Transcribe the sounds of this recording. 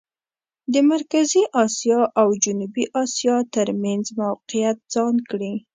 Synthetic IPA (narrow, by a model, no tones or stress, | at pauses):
d̪əmaɾkaziʔɑsjɑʔawd͡ʒʊnubiʔɑsjɑt̪əɾmanzmawqijat̪̚z̥ɑnkɽi